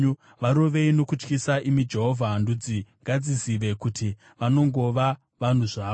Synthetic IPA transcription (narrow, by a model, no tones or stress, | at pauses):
ʋaɾo̞ʋe̞ino̞kut͡ʃkisaʔimid͡ʒe̞ɦo̞vʱandud͡ziŋɡad͡ziziʋe̞kutʰi | ʋano̞ŋɡo̞ʋa | ʋan̤uʐaːo